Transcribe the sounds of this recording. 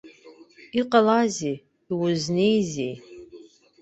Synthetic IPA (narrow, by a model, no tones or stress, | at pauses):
iqʼalazeː | wʊznejzḛj